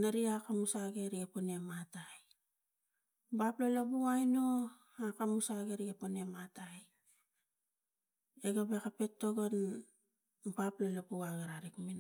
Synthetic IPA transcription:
naɾiakamusaɡe̞ɾiɡeponemataj | baplolabuajno | akamusaɡeɾiɡepone̞mataj | eɡabekape̞tːo̞ɡon | baplalabuaɡeɾaɾikmin

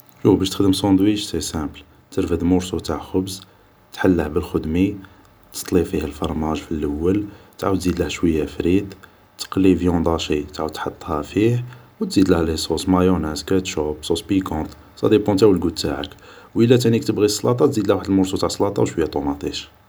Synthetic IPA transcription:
ʃufbæʃt̪ə̥xd̪əmsɑ̃d̪wiʒsisæ̃bl | t̪əɾfəd̪mʊɾsut̪aʕxʊbz | t̪ħalːəħbəlxʊd̪mi | t̪ə̥st̪ˤlifihælfɑɾˤmæʒfilːʔəwːəlt̪ʕawəd̪zid̪ləhʃwəjːæfɾit̪ | t̪ə̥qlivjɔ̃d̪ˤɑʃit̪ʕawəd̪̚t̪ħɑt̪ˤːhæfihwt̪zid̪læhlisˤusmæjunæskæt̪ʃobsˤosbikɔ̃t̪ˤ | sˤɑ̰d̪ipɔ̃t̪æwəlɡud̪t̪aʕə̰kwʔəlːæt̪ænikt̪əbɣisˤːlɑt̪ˤɑt̪zid̪læhwaħəd̪lmʊɾsut̪aʕsˤlɑt̪ˤɑwʃwəjːæt̪ˤomɑt̪ˤiʃ

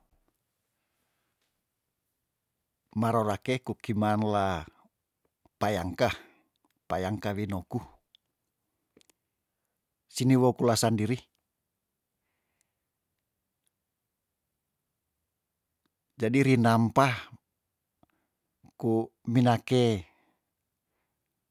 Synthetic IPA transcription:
maɾoɾakekukimanla | pajaŋka | pajaŋkawinoku | siniwokulasandiɾi | d͡ʒadiɾinampah | kuminake

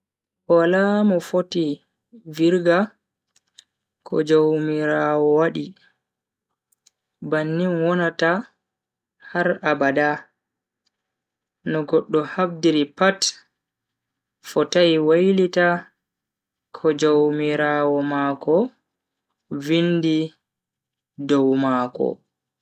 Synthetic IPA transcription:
walamɔfoti | viɾɡa | kʰɔ̰d͡ʒowmiɾaːwɔwaɗi | banːinwɔnata | haɾabada | nɔɡɔɗːɔhabdiɾipat | fɔtajwajlita | kʰɔd͡ʒowmiɾaːwɔmakɔ | vindi | dɔwmakɔ̰

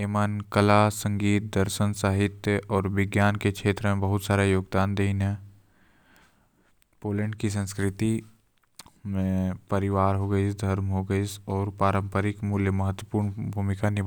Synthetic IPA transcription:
eːmankəlasə̃ŋɡiːt̪̚d̪əɾʃənsaːɦɪt̪jəʔɔːɾʋɪɡjaːnkekʃeːt̪ɾəmẽbɐɦʊt̪saːɾajoːɡd̪aːnd̪eːinɦɛ̃ː | poːlə̃ɳɖkis̬ə̃nskɾɪt̪i | mẽpɐɾɪʋaːɾɦoɡəid̪ʱɐɾmɦoɡəisɔːɾpɾaːɾə̃mpəɾɪkmuːljəmɐɦət̪wəpuːɾnbʱuːmɪkanɪ

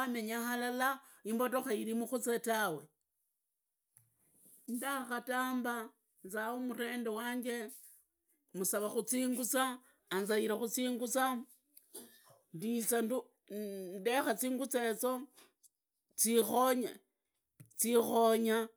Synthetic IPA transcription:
ame̞ɲaxalala | imbotoxaiɾimuxut͡setawe̞ | ndaxataːmba | nzaomure̞ːndewaːɲɡe̞ | musaβaxut͡siːŋɡut͡saː | nzaiɾaxut͡siːŋɡut͡sa | ndit͡sandu | ndexat͡siːŋɡut͡set͡so | t͡sixo̞ɲa | t͡sixo̞ɲa

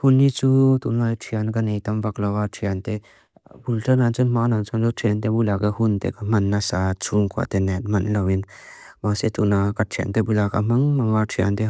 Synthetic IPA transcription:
hunːit͡sut̪unajtʰijankanejt̪ɐmbaklawatʰijant̪e | bulʈənant͡ʃɔnmanant͡ʃanɔtʰiant̪ebulaɡahunt̪ḛkamɐnːasat͡ʃʰuŋkʰwa̰t̪enɛt̚mɐnlawinmaset̪unakatʰija̰nt̪ebulakamɐŋmɐŋatʰija̰nt̪e

